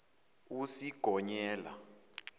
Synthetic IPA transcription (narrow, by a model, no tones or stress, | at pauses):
usiɡ̥ʱɔɲɛːla̰